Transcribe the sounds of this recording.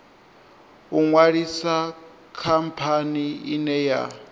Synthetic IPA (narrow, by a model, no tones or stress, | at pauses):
uŋwaɺisa | kʰampʰaniinɛja̰